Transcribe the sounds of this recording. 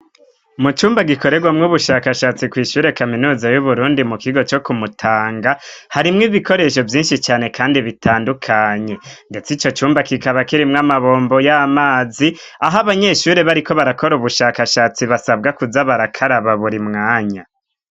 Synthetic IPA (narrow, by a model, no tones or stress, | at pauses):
mut͡ʃuːmbaɡiko̞ɾe̞ɡwamŋuβuʃaːkaʃaːt͡sikwiːʃuːɾe̞kaminuːzajuβuɾuːndimukiɡo̞t͡ʃo̞kumutʰaːŋɡahaɾimŋiβikʰo̞ɾe̞ʃo̞vjiːnʃit͡ʃaːne̞kʰaːndiβitʰaːndukʰaɲe̞nde̞t͡sit͡ʃo̞t͡ʃuːmbakikaβakiɾimŋamaβo̞ːmbojamaːzi | aɦaβaɲe̞ʃuːɾe̞βaɾiko̞βaɾako̞ɾuβuʃaːkaʃaːt͡siβasab̚ɡakuzaβaɾakʰaɾaβaβuɾimŋaːɲa